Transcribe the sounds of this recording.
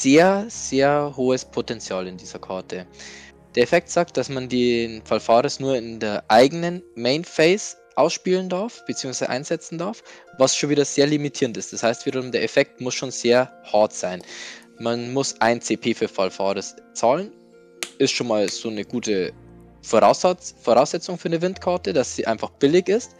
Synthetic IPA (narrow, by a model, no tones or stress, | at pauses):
z̥eːɐz̥eːɐhoːəspʰotɛnt͡sjaːlɪndiːz̥ɐkʰaɐtʰə | d̥eːɐefɛk̚tz̥aːk̚t̚d̥asmandenfalfaːʁəsnuːɐɪndeːɐʔaɪɡənənmeɪnfɛɪs | ʔaʊsʃpiːləndaɐfb̥ət͡siːʊŋsv̥aɪz̰ə̰ʔa̰ɪnz̥ɛt͡sn̩daɐfvasʃoːnviːdɐz̥eːɐlimitʰiːɐntɪstd̥ashaɪstv̥iːdɐʁʊmdeːɐefɛk̚tmʊsʃoːnz̥eːɐhaɐtz̥aɪn | manmʊsʔaɪnt͡seːpʰeːfyːɐfalfa̰ːʁəst͡saːlən | ʔɪstʃoːnmaːlz̥oːnəɡ̥uːtə | foʁaʊsfoʁaʊsz̥ɛt͡sʊŋfyːɐnəvɪntkʰaɐtəd̥asz̥iːʔaɪnfaχb̥ɪlɪçɪst